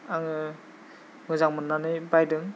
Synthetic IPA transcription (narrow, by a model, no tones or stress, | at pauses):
aŋɯ | mɯzaŋmɯnːanɯjbajdɯŋ